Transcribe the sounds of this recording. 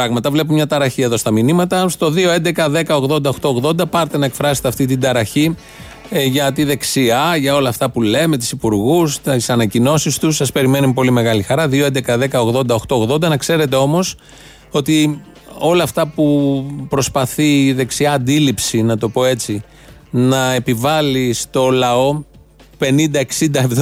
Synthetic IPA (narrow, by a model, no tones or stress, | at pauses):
ɾɐɣmɐt̪ɐvle̞p̬umɲɐt̪ɐɾɐçie̞ðo̞st̪ɐminimɐt̪ɐst̪o̞ðio̞e̞nd̪e̞kɐðe̞kɐo̞ɣðo̞nd̪ɐo̞xt̪o̞oɣðo̞nd̪ɐpɐɾt̪e̞nɐekfɾɐset̪eɐft̪it̪ind̪ɐɾɐçi | ʝɐt̪iðe̞ksiɐʝɐo̞lɐːft̪ɐpule̞me̞t̪i̥sipuɾɣusisɐnɐcino̞sist̪usɐspe̞ɾime̞numpo̞lime̞ɣɐlixɐɾɐðio̞e̞nd̪ekɐðe̞kɐo̞ɣðo̞nd̪ɐo̞xt̪o̞ɣðo̞nd̪ɐnɐkse̞ɾe̞t̪e̞o̞mo̞s | o̞t̪i | o̞lɐːft̪ɐpupɾo̞spɐθiːðe̞ksiɐːnd̪ilipsinɐt̪o̞po̞e̞t͡si | nɐe̞pivɐlist̪o̞lɐo̞ | pe̞nind̪ɐeksind̪ɐ